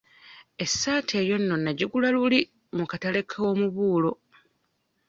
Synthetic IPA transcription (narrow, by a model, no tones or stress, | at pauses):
e̞sːaːtʰe̞ːjo̞nːo̞nːaɟiɡulaluli | mukatale̞kʰo̞ːmuβuːlo̞